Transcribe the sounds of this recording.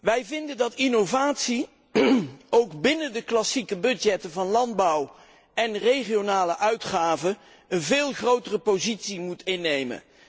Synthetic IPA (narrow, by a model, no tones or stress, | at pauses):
ʋɛjvɪndəndɑtinowvaːtsi | owɡbɪnəndəklɑsikəbɵdjɛtəvɑnlɑnd̚bɑw | ɛnrejχijonaːləʔœɥtχaːvə | ənvɪːlˠχrowtərəpowzitsimutɪnːejmə̰n